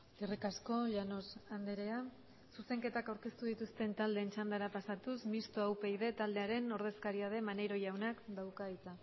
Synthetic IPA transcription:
irikasko̞ʎano̞sand̪eɾe̞a | suse̞ŋke̞t̪akawɾke̞st̪uð̞it̪ust̪e̞nt̪ald̪e̞ːnt͡ʃand̪aɾapasat̪usmist̪oawpe̞iðe̞t̪ald̪e̞aɾe̞no̞ɾð̞e̞skaɾiað̞e̞mane̞jɾo̞jawnakd̪awkait͡sa

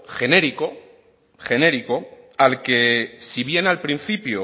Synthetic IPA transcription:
xe̞ne̞ɾiko̞ | xe̞ne̞ɾiko̞ | alke̞siβ̞je̞nalpɾin̟θipjo

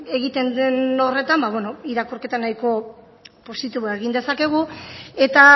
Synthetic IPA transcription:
e̞ɣit̪e̞nd̪eno̞re̞t̪ambaβweno̞iɾakurke̞t̪anajko̞ | po̞sit̪iβoeɣind̪e̞sake̞ɣ̞ue̞t̪a

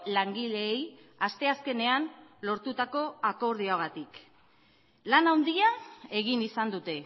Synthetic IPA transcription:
laŋɡile̞ːj | ast̪e̞aske̞ne̞anlo̞ɾt̪ut̪ako̞ako̞ɾð̞ioaɣat̪ik | lanawnd̪iae̞ɣ̞inisand̪ut̪e̞

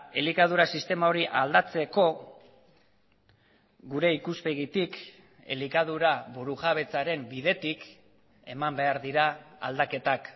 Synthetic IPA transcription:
e̞likað̞uɾasist̪e̞mao̞ɾiʔald̪at͡se̞ko̞ | ɣuɾe̞ikuspe̞ɣit̪ik | e̞̰likað̞uɾaβuɾuʝaβ̞e̞t͡saɾe̞mbiðe̞t̪ik | e̞mambe̞aɾðiɾaa̰ld̪ake̞t̪ak

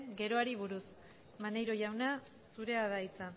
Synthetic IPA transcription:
ɡe̞ɾo̞aɾiβ̞uɾus | manejɾo̞ʝawna | suɾe̞aðajt͡sa

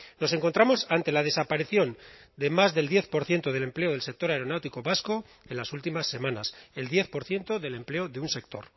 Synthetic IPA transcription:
no̞se̞ŋko̞nt̪ɾamo̞sant̪e̞lað̞e̞sapaɾiθjo̞n | d̪e̞mazðe̞ld̪je̞θpo̞ɾθje̞nt̪oð̞e̞le̞mple̞oð̞e̞lsek̚t̪o̞ɾaeɾo̞nawt̪iko̞βasko̞ | enlasult̪imasːe̞mãnase̞ld̪je̞θpo̞ɾθje̞nt̪o̞ðe̞le̞mple̞oðeunse̞k̚t̪o̞̰ɾ

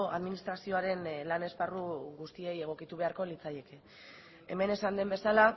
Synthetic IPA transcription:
a̰ðminist̪ɾasio̞aɾe̞nlane̞sparuɣust̪ie̞je̞ɣ̞o̞kit̪uβ̞e̞aɾko̞lit͡saje̞ke | eme̞ne̞sand̪e̞mbe̞sala

